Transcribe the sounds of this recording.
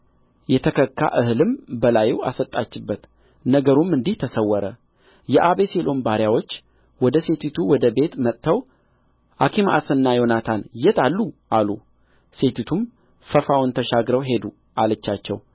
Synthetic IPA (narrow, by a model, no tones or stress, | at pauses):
jɛt̪ʰəkʰəkːa̰ʔɨhɨlɨmbəlajwa̰sət̪ʼːat͡ʃːɪbːət̪ | nəɡəɾumɨnd̪iht̪ʰəsəwːɔɾə | jɛʔaβe̞se̞lʔo̞nbaɾjawo̞t͡ʃː | wɔd̪əse̞t̪ʰit̪ʰuwɔd̪əbe̞t̪mət̪ːəw | hakʰimʔa̰sɨnːajo̞nat̪ʰanjɛt̪alːuʔalu | se̞t̪ʰit̪ʰum | fəfawʊnt̪ʰəʃaɡɾəwɦe̞d̪u | ʔalət͡ʃːat͡ʃːɛ̰w